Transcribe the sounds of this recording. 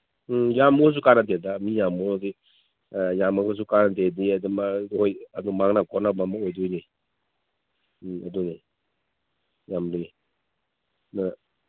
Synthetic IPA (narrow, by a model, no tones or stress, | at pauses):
jamos̬ukanat̬edamijamɔdi | jamaɡɔs̬ukanatediadumaojadumaŋnakʰɔnabamaojdujni | aduni | jamli | na